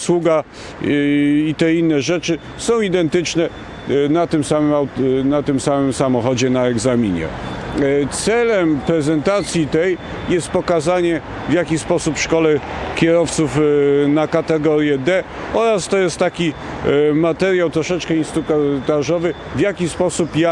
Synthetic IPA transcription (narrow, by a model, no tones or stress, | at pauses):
swuɡa | it̪ɛinːɛʐɛt͡ʂɘ | sɔ̃w̃id̪ɛnt̪ɘt͡ʂnɛ | nat̪ɘmsamɛmanat̪ɘmsamɘmsamɔxɔd͡ʑɛnaɛɡzamʲiɲɛ̰ | t̪sɛlɛmpɾɛzɛnt̪at̪sʲjit̪ɛj | jɛst̪̚pɔkazaɲɛ | vjakʲispɔsupfʂkɔlɛkʲɛɾɔft̪sufnakat̪ɛɡɔɾʲjɛd̪ɛ | ɔɾast̪ɔjɛst̪ːakʲi | mat̪ɛɾjawt̪ɾɔʂɛt͡ʂkɛinst̪ɾukt̪aʐɔvɘ | vjakʲispɔsupja